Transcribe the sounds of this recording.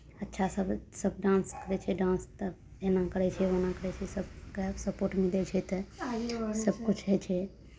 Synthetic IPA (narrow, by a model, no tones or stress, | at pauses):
ətːʃʰasəbsəb̚ʱɖãːnskəɾɛt͡ʃʰɛɖãːnst̪ə | enakəɾɛt͡ʃʰɛonakəɾɛt͡ʃʰɛsəbkɛsəpoɾʈmilɛt͡ʃʰɛt̪ə | səbkut͡ʃʰɦɛt͡ʃʰɛ